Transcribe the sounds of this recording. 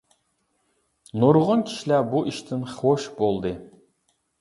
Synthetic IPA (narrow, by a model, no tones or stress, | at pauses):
noɾʁɔnkʲʰi̥ʃilæbuʔiʃt̪ʰɪnχoʃbolˠd̪ɨ